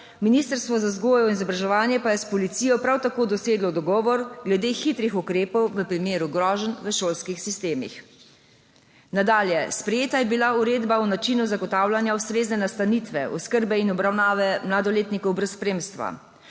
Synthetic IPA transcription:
minist̪əɾst̪ʋɔzazɡoːjɔinizɔbɾaʒɛʋaːnjɛpajɛspɔlit̪sijɔpɾawt̪akoːd̪ɔseːɡlɔd̪ɔɡɔːʋɔɾɡlɛd̪exit̪ɾixukɾeːpɔwʋəpɾimeːɾuɡɾɔːʒənʋəʃoːlskixsist̪eːmḭx | nad̪aːljɛspɾɛjeːt̪ajɛbilauɾeːd̪baunat͡ʃinuzaɡɔt̪aːwlanjaust̪ɾeːznɛnast̪anit̪ʋɛ̰ɔskəɾbɛinɔbɾawnaːʋɛmlad̪ɔleːt̪nikɔwbɾɛspɾeːmst̪ʋa̰

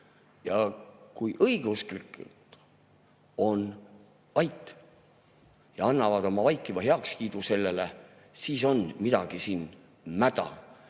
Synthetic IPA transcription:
jɑkujʔɤiɡ̥eusklikːˑṵlt̪ | o̞n | vɑjt̪ːˑ | jɑɑnːɑvɑd̪o̞mɑvɑjkˑːivɑɦeɑkskiːd̪use̞lːe̞le | siːso̞nmid̪̥ɑɡ̥isiːn | mæd̪̥ɑ̰

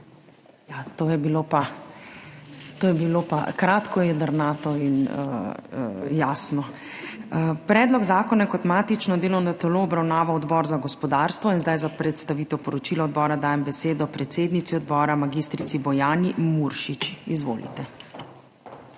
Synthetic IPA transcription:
jat̪oːjɛbilopa | t̪oːjɛbilopa̰kɾaːt̪kɔjɛd̪əɾnaːt̪ɔinə̰ | jaːsnɔ | pɾɛːd̪lɔɡzaːkɔnakɔt̪maːt̪it͡ʃnɔd̪eːlɔwnɔt̪ɛloːbɾawnaːʋawɔd̪bɔːɾzaɡɔspɔd̪aːɾst̪ʋɔinzd̪ajzapɾɛt̪st̪aʋiːt̪ɛwpɔɾɔt͡ʃiːlɔɔd̪̚bɔːɾad̪aːjɛmbɛseːd̪ɔpɾɛt̪seːd̪nit̪siɔd̪bɔːɾamaɡist̪ɾit̪sibɔjaːnimuɾʃit͡ʃizʋo̰ːlḭt̪ɛ

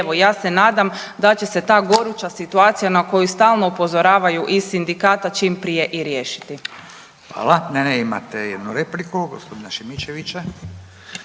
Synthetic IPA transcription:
ʋojaːse̞naːd̪amd̪at͡ɕe̞se̞t̪aːɡo̞ɾut͡ʃasit̪uaːt̪sijanako̞just̪aːlˠnoupo̞zo̞ɾaːʋajuʔisind̪ikaːt̪at͡ʃiːmpɾije̞ʔiɾjeːʃi̥t̪i | xʋa̰ːlˠaneneima̰t̪ejed̪nuɾeplikuɡospod̪inaʃimit͡ʃeʋit͡ɕa

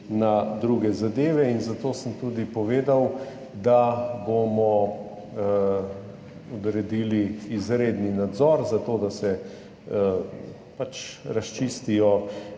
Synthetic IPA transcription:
nad̪ɾuːɡɛzad̪eːʋɛinzat̪oːsəmt̪uːd̪ipɔʋeːd̪aw | d̪abomɔ | ɔd̪ɾɛd̪iːliːzɾeːd̪ninad̪zɔɾzat̪oːd̪asɛ | pat͡ʃɾast͡ʃiːst̪ijɔ

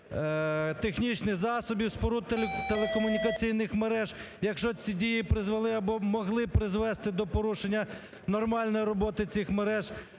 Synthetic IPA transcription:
t̪exnʲit͡ʃnɪxzɑsɔbʲiwspɔɾuet̪elˠekɔmʊnʲikɐt͡sʲijnɪxmeɾɛʒ | jɐkʃt͡ʃɔt͡sʲidʲijipɾɪzʋɐlˠɪɐbɔmɔɦlˠɪpɾɪzʋɛst̪ɪd̪ɔpɔɾuʃenʲːɐ | nɔrmɑlʲnɔjiɾɔbɔt̪ɪt͡sʲixmeɾɛʒ

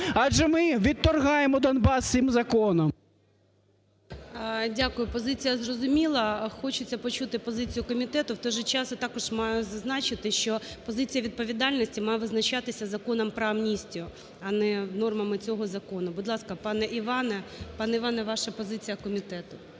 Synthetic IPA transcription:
ɑʒɛmɪʋʲit̪ːɔrɦɑjemɔd̪ɔnbɑst̪ɪmzɐkɔnɔm | dʲakʊjʊpɔzɪt͡sʲijɐzrɔzʊmʲilˠɐxɔt͡ʃʊt͡sʲːɐpɔt͡ʃut̪ɪpɔzɪt͡sʲijʊkɔmʲit̪ɛt̪ʊwt̪ɔjʒɛt͡ʃɑsʊt̪ɑkɔʒmɑjʊzɐznɑt͡ʃɪt̪ɪʃt͡ʃɔpɔzɪt͡sʲijɐʋʲid̪̚pɔʋʲid̪ɑlʲnɔsʲtʲimɑjɛʋɪznɐt͡ʃɑt̪ɪsʲɐzɐkɔnɐmpɾɔɐmnʲisʲtʲijʊ | ɐnɛnɔrmɐmɪt͡sʲɔɦɔzɐkɔnʊbʊd̪lˠɑskɐpɑnɛʔiʋɑnɛpɑnɛiʋɑnɛʋɑʃɐpɔzɪt͡sʲijɐkɔmʲit̪ɛt̪ʊ

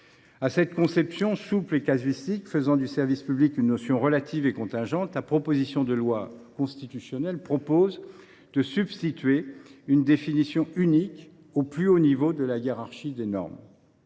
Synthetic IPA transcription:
asɛt̪̚kɔ̃sɛpsjɔ̃suplekazɥist̪ikfəzɑ̃d̪ysɛʁvispyblikynːɔsjɔ̃ʁəlat̪ʰivekɔ̃t̪ɛ̃ʒɑ̃t̪lapχɔpozisjɔ̃d̪əlwakɔ̃st̪it̪ysjɔnɛlpχɔpoz | d̪əsybst̪it̪ɥeynd̪efinisjɔ̃ynik | oplyonivod̪əlajeʁaʁʃid̪enɔ̰ʁm

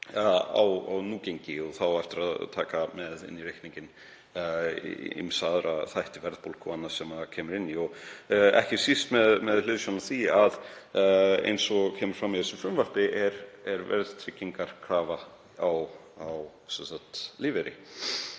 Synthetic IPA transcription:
a̰wa̰wnuːcejɲcɪɔɣθawɛft̪ɪɾaðt̪ʰaːkamɛðɪ̰nːiɾejhkniɲcɪn | ḭmsaːðɾaθajht̪ɪvɛɾðpolkɔanːḁsɛmacʰɛːmʏɾɪnːiɔɣɛ̰hcɪ̥sist̪mɛðmɛðl̥ʏːðsɔnːaθiað | ḛjnsɔɣcʰɛːmʏɾ̥fɾamːiθɛsʏmfɾʏmvar̥pɪʔɛɾɛɾvɛ̰ɾðt̪ʰɾɪcːiŋkaɾ̥kʰɾaːva | aw | aw | sɛnsat̪liːvɛɾɪ̰

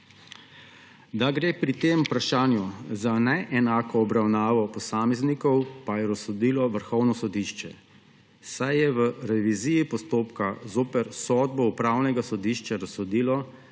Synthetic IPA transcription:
d̪aɡɾeːpɾit̪eːmupɾaʃaːnjuzanɛʔɛnaːkɔːbɾawnaːʋɔpɔsaːmɛznikɔwpajɛɾɔsːɔd̪iːlɔʋəɾxɔwnɔsɔd̪iːʃt͡ʃɛ̰ | sajjɛʋəɾɛʋiziːjipɔst̪oːpkazoːpɛɾsɔːd̪̚bɔupɾawnɛɡasɔd̪iːʃt͡ʃaɾasːɔd̪iːlɔ

